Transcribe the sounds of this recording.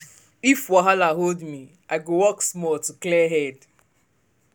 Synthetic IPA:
ifwɔɦalaɦoldmi | aɪɡowɔksmɔltuklɛɦɛd

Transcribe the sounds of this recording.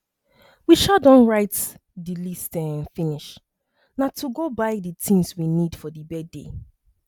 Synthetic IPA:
wiʃadɔ̃nɹaɪtdilistɛ̃nfĩniʃ | natʰuɡobaɪditʰĩnswinid̥fɔdibɛdḛ

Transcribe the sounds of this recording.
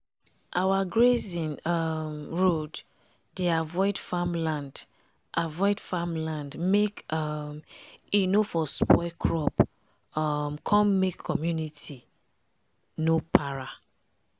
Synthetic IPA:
ʔawaɡɹezĩnɔmɹod | deavɔɪdfamlãnd | ʔavɔɪdfamlãndmekʌmenofɔspɔɪkʰɹɔp | ɔmkʰɔ̃nmekʰːɔmjunitʰi | nopʰaɹa

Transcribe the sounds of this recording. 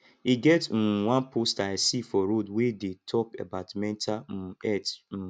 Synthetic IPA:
iɡɛt̩wãnpʰostaɪsifɔɾodwedetʰɔkḛbatmɛ̃ntʰaɛt̩

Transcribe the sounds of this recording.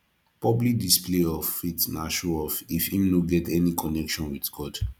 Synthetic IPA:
pɹɔblik̚displeɔfitnaʃɔɔfifhĩmnoɡɛtʰɛnikʰɔnɛkʃɔ̃nwidɡɔd̥

